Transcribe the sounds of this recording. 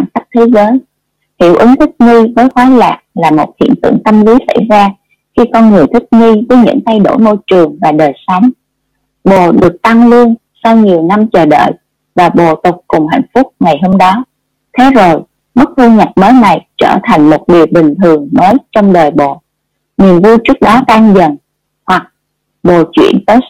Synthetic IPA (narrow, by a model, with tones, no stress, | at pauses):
a˧˩nka˦˥k̚t̪ʰe˨˦zəː˨˦j | hḭ˧˩wʔɨ˨˦ŋt̪ʰï˦˥k̚ŋi˧vəː˨˦jxwaː˨˦laː˨˩k̚laː˨˩mo˨˩t̚hḭ˧˨ənt̪ɨ̰˧˩əŋt̪ə˧mli˨˦sa̰˧˩jzaː˧ | xi˧kɔ˧nŋɨ˨˩əjt̪ʰï˦˥k̚ŋi˧vəː˨˦jɲɨ̰˧˥ŋt̪ʰa˧jɗo̰˧˩jmo˧jt͡ɕɨ˨˩əŋvaː˨˩ɗəː˨˩jsɔ˨˦wŋ͡m | ɓo˨˩ɗɨ˨˩ək̚t̪a˧ŋlɨ˧ən | sa˧wɲi˨˩əwna˧mt͡ɕəː˨˩ɗə̰ː˧˨j | vaː˨˩ɓo˨˩t̪ʊ˨˩k͡p̚kʊ˨˩ŋ͡mha̰˧˨jŋ̟fʊ˦˥k͡p̚ŋa˨˩jɦo˧mɗɔ˨˦ | t̪ʰe˨˦zo˨˩j | mɨ˦˥k̚t̪ʰu˧ɲa˨˩k̚məː˨˦jna˨˩jt͡ɕəː˧˩t̪ʰa˨˩jŋ̟mo˨˩t̚ɗi˨˩əw̚ɓï˨˩ŋ̟t̪ʰɨ˨˩əŋməː˨˦jt͡ɕɔ˧wŋ͡mɗəː˨˩jɓo˨˩ | ni˨˩ənvu˧jt͡ɕɨ˦˥ək̚ɗɔ˨˦t̪aː˧ŋzə̰˨˩n | hwa˨˩k̚ | ɓo˨˩t͡ɕwḭ˧˩˨ənt̪əː˨˦